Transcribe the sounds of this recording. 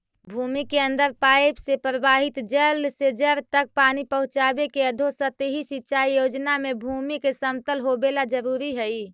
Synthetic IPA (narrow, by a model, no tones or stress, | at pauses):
bʱumikeənd̪əɾpajpsepɾəbaɦit̪d͡ʒəlsed͡ʒəɾt̪ək̚panipəɦũt͡ʃabekeəd̪ʱosət̪ɦisitːt͡ʃʰaijod͡ʒnamebʱumikesəmt̪əlɦobelad͡ʒəɾuɾiɦəi